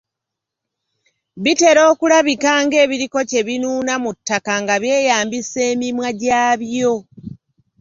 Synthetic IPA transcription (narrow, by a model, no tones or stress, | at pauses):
βite̞ɾo̞ːkulaβikaːŋɡe̞ːβiɾiko̞ce̞βinuːnamutːakaŋɡaβje̞ːjaːmbise̞ːmimwaɟaːβjo̞